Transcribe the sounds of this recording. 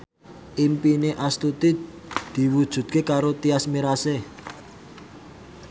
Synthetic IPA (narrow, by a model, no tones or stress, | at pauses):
ʔimpineʔast̪ut̪i | d̪̥i̤wud̥ʒ̥ṳd̪̚kekaɾot̪iasmiɾase